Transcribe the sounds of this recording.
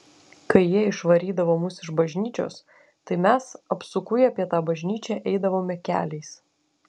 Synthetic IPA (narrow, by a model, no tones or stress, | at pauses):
kɐɪjiɛɪʃʋɐɾʲiːd̪ɐʋoːmʊsɪʒbɐʒʲnʲiːt͡ʃʲo̰ːs | t̪ɐɪmʲæsɐpsʊkʊjɐpʲiɛt̪ɑːbɐʒʲnʲiːt͡ʃʲɛʔɛɪd̪ɐʋoːmʲɛkʲæ̰ːlʲɛɪs